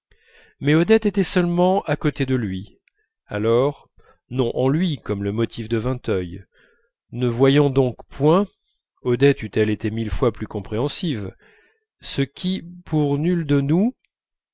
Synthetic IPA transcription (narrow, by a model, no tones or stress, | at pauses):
mɛɔd̪ɛt̪et̪ɛsœlmɑ̃ʔakot̪ed̪əlɥi | a̰lɔʁ | nɔ̃ʔɑ̃lɥikɔmləmɔt̪ʰifd̪əvɛ̃t̪œj | nəvwajɑ̃d̪ɔ̃kpwɛ̃ | ɔd̪ɛt̪yt̪ɛlet̪emilfwaplykɔ̃pχeɑ̃siv | səkʲʰipʰuʁnyld̪ənu